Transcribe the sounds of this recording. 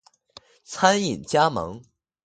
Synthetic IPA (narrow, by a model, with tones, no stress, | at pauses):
t͡sʰa˥ni˨˩nt͡ɕja˥mɤ̰˧˥ŋ